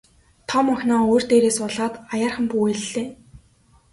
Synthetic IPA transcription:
t̪ʰɔmɔxʲnɔːoːr̥t̪eːɾeːsʊɮaːt̪ajaːrχə̆mpuːeɮeː

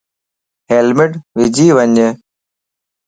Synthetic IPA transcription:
ɦelmɪɖʋɪd͡ʑʱiːʋəɲə

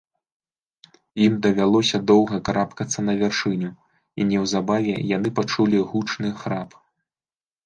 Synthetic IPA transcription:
jimd̪ɐvʲalˠɔsʲɐd̪ɔwɣɐkaɾapkɐt̪sːɐnɐvʲarʂɨnʲu | ḭnʲɛwzabavʲɛjanɨpat͡ʂulʲiɣut͡ʂnɨxɾap

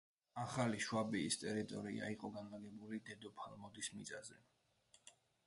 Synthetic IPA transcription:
aχaliʃwabiːst̪ʼɛɾit̪ʼɔɾḭa̰iqʼɔɡanlaɡɛbulid̪ɛd̪ɔpʰalˠmɔd̪ismḭt̪sʼazɛ

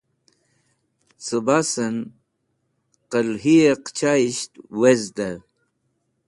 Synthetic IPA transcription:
t͡sɨbasɐn | qəlɦieqt͡ɕaiɕt̪wezd̪a

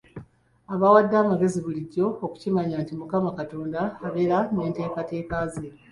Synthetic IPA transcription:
aβawadːaːmaɡe̞ziβuliɟːo̞ːku̥cimaɲaːntimukamakato̞ːndaːβe̞ɾane̞ːnte̞ːkate̞ːkaze

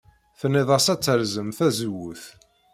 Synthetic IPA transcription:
θənːiðˤəsæt͡sːəɾzəmθæzəwːʊθ

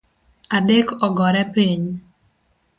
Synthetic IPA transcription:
adekɔɡɔɾɛpiɲ

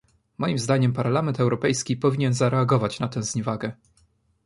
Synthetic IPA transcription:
mɔjimzd̪aɲɛmpaɾlamɛnt̪ɛwɾɔpɛjskʲipɔvʲiɲɛnzaɾɛaɡɔvat͡ɕnat̪ɛ̃w̃zɲɛvaɡɛ

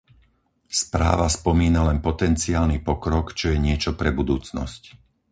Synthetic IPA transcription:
spɾa̰ːʋaspɔmiːnalɛnpɔt̪ɛnt͡siaːlnipɔkɾɔkt͡ʃɔjɛɲɪɛt͡ʃɔpɾɛbud̪uːt͡snɔ̰sc

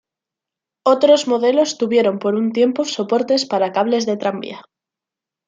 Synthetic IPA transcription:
o̞t̪ɾo̞zmo̞ðe̞lo̞st̪uβje̞ɾo̞mpo̞ɾunt̪je̞mpo̞so̞po̞ɾt̪e̞spaɾakaβle̞zðe̞t̪ɾambja

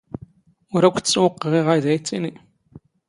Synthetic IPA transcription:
ʊɾækʷːt͡sːwəqːʁiʁæðæjt͡sːini

